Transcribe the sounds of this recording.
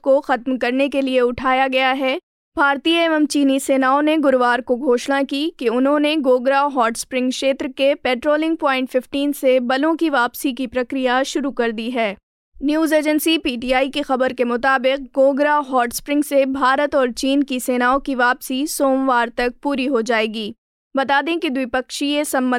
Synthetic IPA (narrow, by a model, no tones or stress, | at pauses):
koxɐt̪mkɐɾnekelieʊʈʰaːjaɡɐjaɦɛː | b̥ʱaːɾt̪iːeːʋɛmt͡ʃiːniseːnaːoneɡʊɾʋaːɾkoɡʱoːʃnakikeʊnɦõneɡoːɡɾaʋɦɔːʈspɾɪ̃ŋɡʃeːt̪ɾkepɛːʈɾoːlɪ̃ŋɡ̚pɔːɪ̃ɳʈfɪfʈiːnsebɐlõkiʋaːpsikipɾɐkɾijaʃʊɾukɐɾd̪iɦɛː | njuːzeːd͡ʒənsipiːʈiːaːikixɐbəɾkemʊt̪aːbɪq̚ɡoːɡɾaɦɔːʈspɾɪ̃ŋɡsebʱaːɾət̪ɔːɾt͡ʃiːnkiseːnaːõkiʋaːpsisoːmʋaːɾt̪ɐk̚puːɾiɦod͡ʒaːeːɡiː | bɐt̪aːd̪ẽkid̪ʋɪpɐkʃiesɐ̃mbə̃